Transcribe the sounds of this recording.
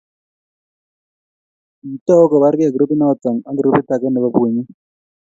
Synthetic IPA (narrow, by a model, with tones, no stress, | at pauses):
i˨tɔ˦kɔ˨ba˦ɾɡɪ˦a˨ɡɾu˦pi˦nɔ˦˨t̪a˨ŋa˦ɡɾu˦pi˦ta˨kɛ˦no˨ba˦˨bwe˨ɲi˦